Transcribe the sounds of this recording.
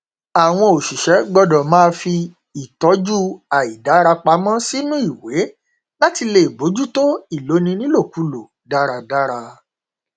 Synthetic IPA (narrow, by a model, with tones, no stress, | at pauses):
a˨w̃ɔ̃˧o˨ʃi˨ʃɛ˨˦ɡ͡bɔ˧dɔ˨mãː˦fi˧ | i˨tɔ˨˦d͡ʒu˦a˨i˨da˨˦ɾa˧k͡pa˧mã˦si˦nũ˦i˦˨we˨˦ | la˦ti˧le˧˨i˨ɡ͡bo˨˦d͡ʒu˦to˦i˦˨lo˨˦nĩ˧nĩ˦lo˦˨ku˨˦lo˨ | da˦ɾa˧da˦ɾa˧